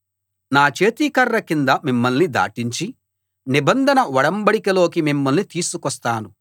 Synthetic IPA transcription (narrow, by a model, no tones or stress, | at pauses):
naːt͡ʃe̞ːt̪iːkɐɾːɐkind̪ɐmimːɐlnid̪a̰ːʈiɲt͡ʃi | nibɐnd̪ʱɐnɐʋɐɽɐmbɐɽikɐlo̞ːkimimːɐlnit̪iːsukɔst̪aːnu